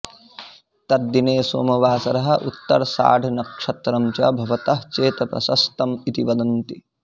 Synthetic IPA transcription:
t̪ɐɾd̪ineːso̰ːmɐʋaːsɐɾɐɦɐ̆ʔut̪ːɐ̰ɾsa̰ːɖʱnɐkʂɐt̪ɾɐmt͡ʃɐ̰bʱɐʋɐt̪ɐɦt͡ʃeːt̪ɐpɾɐ̰sɐst̪ɐmit̪iʋɐd̪ɐnt̪i

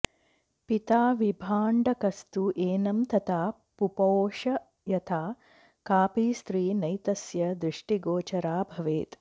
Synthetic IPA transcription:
pit̪aːʋibʱaːɳɖɐkɐst̪uʔeːnɐmt̪ɐt̪ʰaː | pupoːʃɐ | jɐt̪ʰaː | kaːpiːst̪ɾiːnɐjt̪ɐsjɐd̪ɾɪʂʈiɡoːt͡ʃɐɾaːbʱɐʋeːt̪

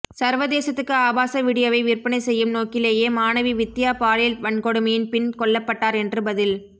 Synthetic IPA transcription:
sɐɾʋɐðeːsɐt̪ːɯkːɯaːbaːsɐʋɪɽɪjɐʋɐɪʋɪrpɐnɐɪsɛjːɯmnoːkɪleːjeːmaːnɐʋiʋɪt̪ːɪjaːpaːljɪlʋɐɳkɔɽɯmɐjɪnpɪnkɔɭːɐpːɐʈːaːɾɛndrɯbɐðɪl

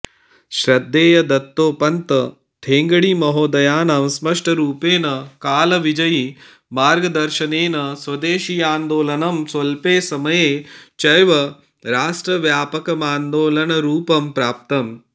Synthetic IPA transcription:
ʃɾɐd̪ːeːjɐd̪ɐt̪ːoːpɐnt̪ɐ | t̪ʰeːŋɡɐɽimɐɦoːd̪ɐjaːnɐmsmɐʂʈɐɾuːpeːnɐkaːlɐʋid͡ʒɐji | maːɾɡɐd̪ɐɾʃɐneːnɐsʋɐd̪eːʃiaːnd̪oːlɐnɐmsʋɐlpeːsɐmɐjeːt͡ʃɐjʋɐ | ɾaːsʈɾɐʋjaːpɐkɐmaːnd̪oːlɐnɐɾuːpɐmpɾaːp̚t̪ɐm

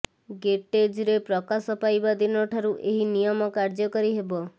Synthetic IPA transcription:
ɡeʈed͡ʒɾepɾɔkasɔpajbad̪inɔʈʰaɾuʔeɦinijɔmɔkaɾd͡ʒɔkɔɾiɦebɔ

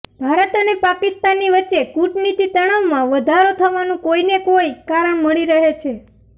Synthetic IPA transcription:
bʱaɾət̪ənepakɪst̪anːiʋətːʃekuʈnit̪it̪əɽ̃aʋmãʋəd̪ʱaɾot̪ʰəʋanũkoinekojkaɾəɳməɭiɾəɦet͡ʃʰe

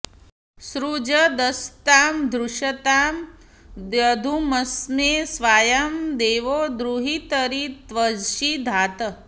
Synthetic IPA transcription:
sɾud͡ʒɐd̪ɐst̪aːmd̪ɾuʃɐt̪aːm | d̪jɐd̪ʱumɐsneːsʋaːjɐmd̪eːʋoːd̪ɾuɦit̪ɐɾit̪ʋɐd͡ʒʃid̪ʱaːt̪ɐ

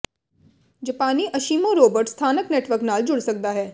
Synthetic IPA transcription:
d͡ʒəpaːniːʔəʃiːmõɾoːbəɾʈst̪ʰaːnəknɛːʈʋəɾknaːld͡ʒʊɽsək̚d̪aːɦɛː

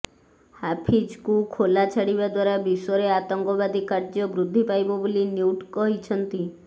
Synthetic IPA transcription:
hapʰid͡ʒkukʰolat͡ʃʰaɽibad̪waɾabisɔɾeat̪ɔŋkɔbad̪ʱikaɾd͡ʒɔbɾud̪ʱːipajbɔbolinjuuʈkɔɦit͡ʃʰɔnt̪i

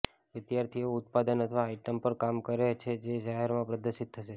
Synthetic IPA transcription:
ʋɪd̪jaɾt̪ʰioʊt̪̚pad̪ənət̪ʰəʋaːiʈəmpəɾkamkəɾet͡ʃʰed͡ʒed͡ʒaɦɛɾmãpɾəd̪əɾʃit̪ʰːəʃe

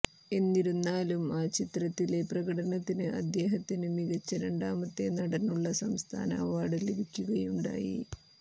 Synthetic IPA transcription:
e̞nːiɾunːaːlumaːt͡ɕit̪rɐt̪ːileprɐɣɐɽɐnɐt̪ːinɨʔɐ̰d̪je̞ːɦɐt̪ːinɨmiɣɐt͡ɕːɐɾe̞ɳɖaːmɐt̪ːe̞nɐɽɐnːuɭːɐsɐmst̪ʰa̰ːna̰ːʋaːɽɨlibikʲːuɣɐjuɳɖa̰ːjḭ

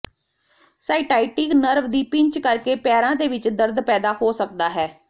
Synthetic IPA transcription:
saːɪʈaːɪʈɪknəɾʋd̪iːpɪ̃ɲt͡ʃkəɾkeːpɛːɾãːd̪eːʋɪt͡ʃd̪əɾd̪pɛːd̪aːhoːsəkd̪aːɦɛː

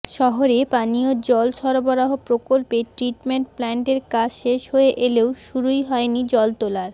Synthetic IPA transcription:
ʃɔɦoɾepanijod͡ʑɔlʃɔɾobɔɾaɦopɾokolpeʈɾiʈmeɳʈ̚plɛɳʈeɾkad͡ʑʰʃeʃɦhoeʔelewʃuɾujɦɔenid͡ʑɔlt̪olaɾ

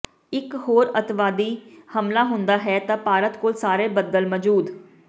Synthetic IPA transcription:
ɪkɦoːɾət̪ʋaːd̪iːhəmlaːɦʊnd̪aːɦɛːt̪ãːpaːɾət̪koːlsaːɾeːbəd̪əlməd͡ʒuːd̪

